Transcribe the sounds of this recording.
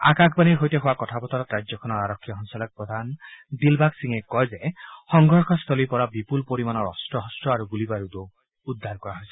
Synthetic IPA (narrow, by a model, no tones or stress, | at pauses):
a̰kakʰbaniɾɦojteɦowakɔtʰabɔt̪ɔɾɔkɾad͡ʒjɔkʰɔnɔaɾɔkʰːijɔɦɔŋsalak̚pɾɔd̪ʱand̪ilbaksiŋekːɔɦjd͡ʒehɔŋɡɔɾkʰɔst̪ʰɔlipɔɾabipulpoɾimanɔɾɔ̰sʈɔɦɔsʈɔaɾuɡulibaɾud̪o | ud̪ʱːaɾkɔɾaɦojsʰi̥